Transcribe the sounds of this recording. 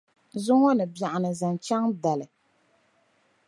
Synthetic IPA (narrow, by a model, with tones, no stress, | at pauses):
zʊ˦ŋɔ˦nɨ˨bja˨ʔa˨nɨ˨za˨nt͡ʃa˦ŋda˨lɨ˨